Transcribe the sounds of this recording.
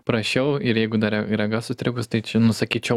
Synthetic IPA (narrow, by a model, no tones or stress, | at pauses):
pɾɐʃʲɛʊɪɾjɛɪɡʊd̪ɐɾʲɛiɾɐɡɑsʊst̪ʲɾʲɪɡʊst̪ɐɪt͡ʃʲɪnʊsɐkʲiːt͡ʃʲɛʊ